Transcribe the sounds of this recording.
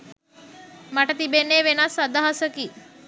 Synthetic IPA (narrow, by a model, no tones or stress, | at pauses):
maʈət̪ibenːeʋenasad̪aɦasəki